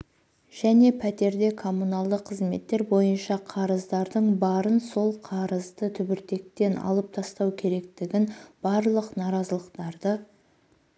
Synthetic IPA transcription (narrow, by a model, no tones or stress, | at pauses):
ʒ̥æne̞pʰæt̪e̞ɾd̪e̞kʰo̞munɑlˠd̪əqʰːəzme̞̰t̪ːe̞ɾbo̞jənʃɑqʰɑɾəzd̪ɑɾd̪əɴbɑɾənso̞lˠqʰɑɾəzd̪ət̪ʰʏbɪɾt̪e̞k̚t̪e̞nɑ̰lˠəp̚t̪ʰɑst̪ɑwkʲʰe̞ɾe̞k̚t̪ɪɡʲɪnb̥ɑɾlˠəqnɑɾɑzəlˠəqt̪ɑɾd̪ə